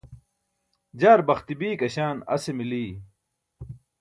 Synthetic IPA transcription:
d͡ʑaːɾbɐxt̪ibiːkɐɕaːnɐ̰semiliː

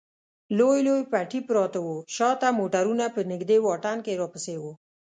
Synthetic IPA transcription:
lojlojpaʈipɾɑt̪awoʃɑt̪amoʈaɾunapənɪɡd̪ewɑʈankeɾɑpəsewo

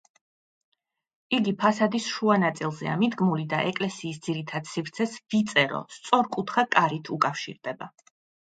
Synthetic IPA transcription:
iɡipʰasad̪isʃuanat̪sʼilˠzɛa̰mid̪ɡmulid̪a̰ʔɛkʼlɛsiːsd̪ziɾit̪ʰad̪̥sifɾt̪sʰɛsvit̪sʼɛɾɔ̰st̪sʼɔɾkʼut̪ʰχakʼaɾit̪ʰukʼafʃḭɾd̪ɛba

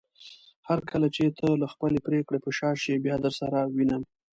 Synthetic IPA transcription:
haɾkʰəlat͡ʃet̪ʰəlaxpəlepɾekɽepəʃɑʃibjɑd̪əɾsaɾawinəm

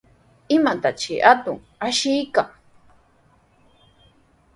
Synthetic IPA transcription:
ɪmat̪at͡ʃɪ̰ʔat̪ʊŋ | aʃɪjkaŋ

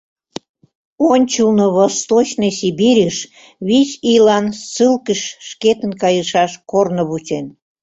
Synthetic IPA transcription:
onʲt͡ɕulnoβost̪ot͡ɕnəsibiɾʲəʃ | βisilɑnsɨlkəʃʃket̪ə̆nkɑjəʃɑʃkornoβut͡sen

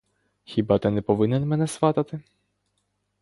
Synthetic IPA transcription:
xʲibɑt̪ɛnɛpɔʋɪnɛnmɛnɛsʋɑt̪ɐt̪ɪ

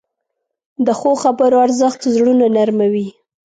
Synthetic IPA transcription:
d̪əxoxabəɾoaɾzəxt̪zɽunanaɾmawi

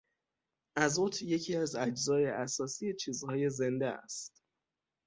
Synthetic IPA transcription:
ʔæzot̪ʰje̞cʰiːæzæd͡ʒzɒːje̞ʔæsɒːsije̞t͡ʃʰiːzhɒːje̞ze̞nd̪eæ̰st̪

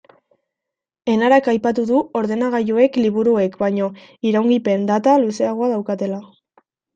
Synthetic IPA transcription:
e̞naɾakajpat̪uðuo̞ɾðe̞naɣ̞ajoe̞kliβ̞uɾue̞kbaɲo̞iɾawŋɡipe̞nd̪at̪aluse̞aɣoaðawkat̪e̞la

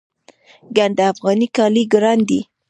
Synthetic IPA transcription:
ɡand̪aafɣɑnikɑliɡɾɑnd̪i

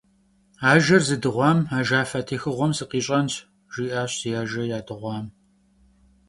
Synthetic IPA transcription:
aːʒɐrzɨdɨʁʷɑːmaːʒaːfɐtʰiːxɨʁʷɔmsɨqiːɕʼɐntʰ | ʒ̥iːʔaːɕsjaːʒɐjaːdɨʁʷɑːm

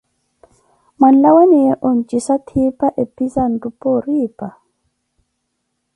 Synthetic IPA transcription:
man̩lawanijɛʔont͡ʃʼisatʰipaʔepizan̩dupoɾiːpa

